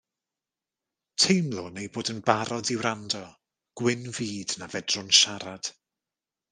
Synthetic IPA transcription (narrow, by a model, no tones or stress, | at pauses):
tʰejmlˠʊnejboːdənbaɾɔdɪwɾandɔ | ɡ̥wɪnviːdnavɛdrʊnʃaɾad̥